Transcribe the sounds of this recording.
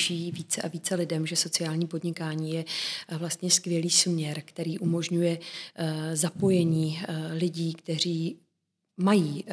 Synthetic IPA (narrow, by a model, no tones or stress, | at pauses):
ʃiːviːt͡sɛʔaviːt͡sɛlɪdɛmʒɛso̞t͡sɪaːlɲiːpo̞dɲɪkaːɲiːjɛvlast̪ɲɛskvjɛliːsmɲɛɾkt̪ɛɾiːʔumo̞ʒɲujɛ | zapo̞jɛɲiːlɪɟiːkt̪ɛr̝iː | majiː